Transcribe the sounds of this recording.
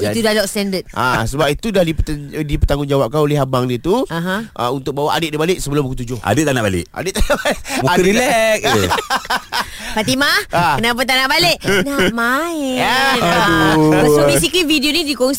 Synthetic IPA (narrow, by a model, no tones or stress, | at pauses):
it̪udalɔkst̪ɛndət̪̚asəbap̚it̪udahdip̪dipət̪aŋʊnd͡ʒawap̚kaoleɦabaŋdiət̪uaɦãʔə̰unt̪ʊk̚bawaʔa̰dət̪̚dibaleʔsəbəlʊmbukut̪ud͡ʒʊha̰dət̪ːanaʔbalɪ̰ʔa̰dəabmaɾilɛk̚ | pat̪imakənap̬at̪̬anabaleʔnama | usofis̬ikividionidikoŋsi